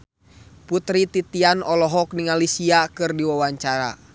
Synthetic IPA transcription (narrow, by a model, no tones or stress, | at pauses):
put̪ɾit̪it̪ianɔlɔɦɔk̚niŋalisiakɨrdiwawaɲt͡ʃaɾa̰